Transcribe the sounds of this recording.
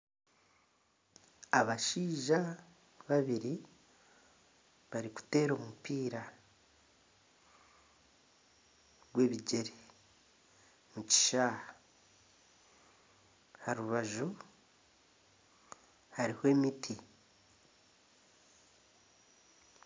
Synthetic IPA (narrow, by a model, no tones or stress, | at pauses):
aβaʃiːʒa | βaβiɾi | βaɾiku̥te̞ːɾo̞ːmupiːɾa | ɾwe̞ːβiɟe̞ɾe | muci̥ʃaːha | haɾuβaʒu | haɾihwe̞ːmitʰi